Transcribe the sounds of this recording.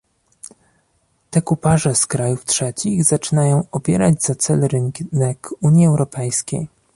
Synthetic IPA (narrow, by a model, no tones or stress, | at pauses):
t̪ɛkupaʐɛskɾajuftʂɛt͡ɕiɣzat͡ʂɘnajɔ̃w̃ɔpʲjɛ̰ɾad͡ʑz̥at̪sɛlɾɘŋnɛkuɲjiɛwɾɔpɛjskʲej